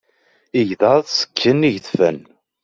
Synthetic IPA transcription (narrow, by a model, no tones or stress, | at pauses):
iʝðɑðˤsə̥kʰːənːiʝθfæ̰n